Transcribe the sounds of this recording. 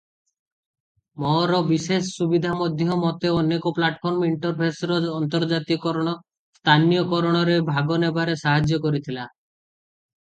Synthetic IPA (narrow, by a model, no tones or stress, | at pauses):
mɔɾɔbiʃesːubid̪ʱamɔd̪ʱjɔmɔt̪eɔnekoplaʈpʰɔɾmiɳʈɔɾpʰesɾɔd͡ʒɔnt̪ɔɾd͡ʒat̪ikɔɾɔɽ̃ɔ | st̪ʰanijokɔɾɔɽ̃ɔɾebʱaɡonebʱaɾesaɦad͡ʒjokoɾit̪ʰila